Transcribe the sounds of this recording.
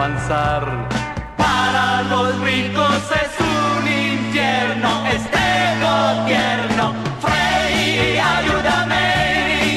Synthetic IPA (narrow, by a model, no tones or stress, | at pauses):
ansaɾpaɾalosrikosesuninfjɛɾnoʔest̪enobjɛɾnofɾeiajud̪ameɾi